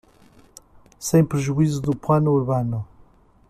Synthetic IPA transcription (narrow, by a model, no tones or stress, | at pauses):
sẽj̃pɾɨʒuizuðuplˠanuuɾβanu